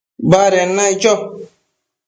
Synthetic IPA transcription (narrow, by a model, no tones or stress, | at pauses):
baɾɛnːait͡ʃɔ